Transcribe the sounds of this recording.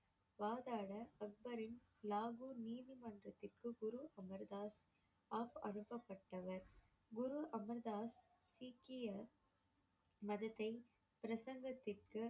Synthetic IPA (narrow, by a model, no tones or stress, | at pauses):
ʋaːðaːɽɐɐk̚bɐɾɪn | laːɣuːniːðimɐndrɐt̪ːɪrkɯɡʊɾuʔɐmɐɾðaːs | aːpɐnɯpːɐpːɐʈːɐʋɐɾ | ɡʊɾuʔɐmɐɾðaːs | siːkɪjɐ | mɐðɐt̪ːɐɪ | pɪɾɐsɐŋɡɐt̪ːɪrkɯ